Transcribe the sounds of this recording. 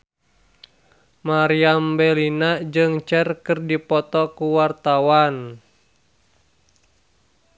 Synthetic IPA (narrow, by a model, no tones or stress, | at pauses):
maɾiambelinad͡ʒɨŋt͡ʃɛrkɨrdipɔt̪ɔkuwart̪awan